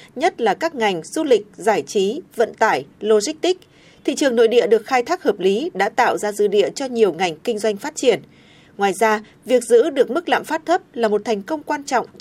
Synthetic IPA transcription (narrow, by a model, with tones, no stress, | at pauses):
ɲə˦˥t̚laː˨˩kaː˦˥k̚ŋa˨˩jŋ̟z̥u˧lï˨˩k̟̚zaː˧˩jt͡ɕi˨˦və̰˧˨nt̪aː˧˩jlo˧zi˦˥k̚t̪ï˦˥k̟̚ | t̪ʰḭ˧˨t͡ɕɨ˨˩əŋno̰˧˨jɗḭ˧˨əɗɨ˨˩ək̚xaː˧jt̪ʰaː˦˥k̚həː˨˩p̚li˨˦ɗa̰ː˧˥t̪a̰ː˧˨wzaː˧zɨ̰˧˥ɗḭ˧˨ət͡ɕɔ˧ɲi˨˩əwŋa˨˩jŋ̟kï˧ŋzwa˧jŋ̟faː˦˥t̚t͡ɕi˧˩ən | ŋwaː˨˩jzaː˧ | vi˨˩ək̚zɨ̰˧˥ɗɨ˨˩ək̚mɨ˦˥k̚la̰ː˧˨mfaː˦˥t̚t̪ʰə˦˥p̚laː˨˩mo˨˩t̚t̪ʰɛ˨˩jŋ̟kə˧wŋ͡mkwaː˧nt͡ɕɔ̰˧˨wŋ͡m